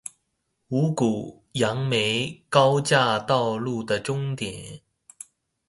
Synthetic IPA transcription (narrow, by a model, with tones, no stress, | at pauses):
u˧˥ku˨˩ | jɑ˧˥ŋme˧˥ɪkɑ˥ʊt͡ɕja˥˧t̪ɑ˥˧ʊlu˥˩d̪ə˩ʈ͡ʂʊ˥ŋt̪jɛ˨˩˦n